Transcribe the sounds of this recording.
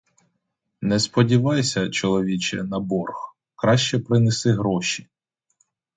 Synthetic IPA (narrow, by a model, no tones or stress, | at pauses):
nɛspɔdʲiʋɑjsʲɐt͡ʃɔlˠɔʋʲit͡ʃɛnɐbɔrx | kɾɑʃt͡ʃɛpɾɪnesɪɦɾɔʃi